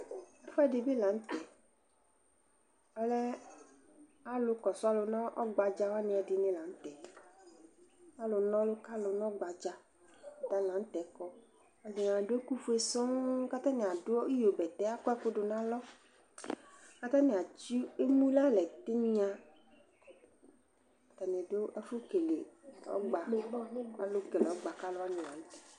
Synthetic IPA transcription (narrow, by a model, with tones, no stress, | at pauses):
a˨fa˦ɖe˨be˦lã˨˦ŋ̩˦t̪ɛ˨ | a˨lɛ˦ | a˦lʊ˨kɔ˨sʊ˦a˦lo˨nã˦ʔɔ˦ɡ͡ba˨d͡ʒa˦wa˦nẽ˨a˨di˨nẽ˦la˨n̩˦t̪ɛ˨ | a˦lo˨nɔ̃˦lo˦ka˦lo˨nɔ̃˦ɡ͡ba˨d͡ʒa˦ | a˨t̪a˦lã˨˦n̩˦t̪ɛ˨kɔ˦ | a˨zi˨ŋã˨ɖo˦e˦ku˦fu˦e˦sɔ̃˦ka˦t̪ã˦nẽ˨a˨ɖo˦ɔ˦i˦jo˨bɛ˨t̪ɛ˦a˦kɔ˦ɛ˦ko˦ɖo˨nã˦lɔ˦ | ka˦t̪ã˦nẽ˨a˨d͡ʒi˦e˦mũ˦la˦lɛ˨t̪e˦mĩ˦a˨ | ka˨t̪a˨nẽ˨do˦ʔɛ˦fo˦ke˨lḛ˨ɔ̰˦ɡ͡ba˨ | a˨lo˦ke˨lɔ˦ɡ͡ba˨ka˦lo˦a˦nẽ˨la̰˨ñ̩˦t̪ɛ̥˨